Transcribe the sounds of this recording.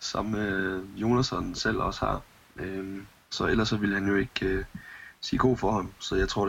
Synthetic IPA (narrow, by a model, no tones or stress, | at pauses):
sɑ̈məjo̝næsɒnsel̰ɒ̽shɑ̈ | ʔø | sɒ̽elɐsːɒ̽ʋiləhænjo̝e̝ɡ̥øsiːɡ̥o̝̰ːfɒhɑ̈msɒ̽jɑ̈ɪt͡sʰo̝ɐ̰̥